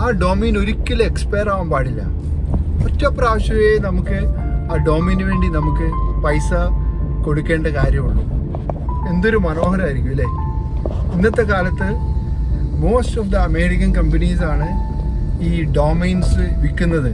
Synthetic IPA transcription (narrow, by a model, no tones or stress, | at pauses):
aːɖoːmeːno̞ɾikʲːilɐekspejraːʋɐmbaːɽilːɐ̰ | otːɐpːraːɕɐʋenɐmukːɨ | aːɖo̞ːmeːnɨʋe̞ːɳɖinɐmukːɨpɐjsɐko̞ɽukːe̞ːɳɖɐkaːɾjɐmuɭːṵ | e̞nd̪o̞ɾumɐno̞ːɦɐɾɐaːiɾikːuʋilːɐ | inːɐt̪ːe̞kaːlɐt̪ːɨ | mo̞ːstɐfd̪ɨɐme̞ːɽikːɐnkɐmbɐnisaːɳɨ | iːɖoːmeːnsɨʋikːunːɐðɨ